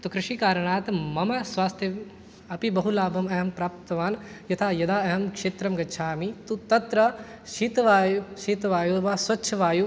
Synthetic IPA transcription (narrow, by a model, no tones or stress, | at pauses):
t̪okɾɪʃikaːɾɐɳ̃aːt̪mɐmɐsʋaːst̪ʰjɐ | ɐpibɐɦulaːbɐmɐɦɐmpɾaːp̚t̪ɐʋaːnjɐt̪ʰaːjɐd̪aːɐɦɐmkʃeːt̪ɾɐmɡɐʃʰaːmit̪ut̪ɐt̪ɾɐʃiːt̪ʋaːjuʃiːt̪ʋaːjuʋaːsʋɐtːʃʰɐʋaːju